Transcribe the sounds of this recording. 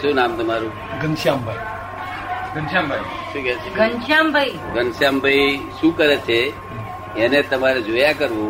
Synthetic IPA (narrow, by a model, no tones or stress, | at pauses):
sunamt̪əmaɾũ | ɡənʃjambʱai | ɡənʃãmbʱai | tʰikɛt͡ʃʰeɡənʃãmbʱai | ɡənʃambʱaiʃũkəɾet͡ʃʰe | enet̪əmaɾed͡ʒojakəɾʋũ